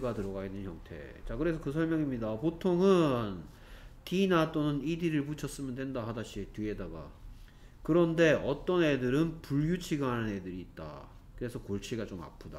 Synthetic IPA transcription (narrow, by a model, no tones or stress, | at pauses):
ɡatɯɾʌɡaɡinːɯnçʌŋtʰe̞̰t͡ɕakɯɾe̞s̬ʰʌkɯs̬ʰʌɭmjʌŋimɲidapotʰoŋɯn | tinat͈onɯnidiɾɯɭput͡ɕʰʌs͈ɯmjʌndwe̞ndahadaɕʰitɥiedaɡa̰ | kɯɾʌnde̞ʔʌt͈ʌne̞dɯɾɯnpuɭjut͡ɕʰiɡanɯne̞dɯɾiːt̚t͈a̰ | kɯɾe̞sʰʌkoɭt͡ɕʰiɡat͡ɕoma̰pʰuda